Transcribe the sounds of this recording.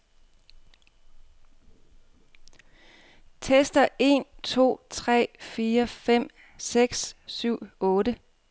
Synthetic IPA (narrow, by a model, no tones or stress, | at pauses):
t͡sʰesd̥ɐe̝nt͡sʰo̝̰ːt͡sʰʁɛ̰ːfiːɐfem̰ | seɡ̥ssyʊ̰ɔ̽ːdə